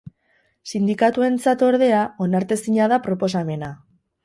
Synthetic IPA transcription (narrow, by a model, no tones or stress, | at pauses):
sind̪ikat̪ue̞nt͡sat̪o̞ɾðe̞ao̞naɾt̪e̞siɲaðapɾo̞po̞same̞na